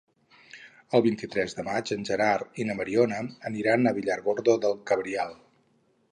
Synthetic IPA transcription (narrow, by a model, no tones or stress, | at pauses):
əlˠβint̪it̪ɾɛzðəmad͡ʒənʲʒəɾaɾinəməɾionəːniɾanəβiʎarɣoɾðoðəlˠkəβɾialˠ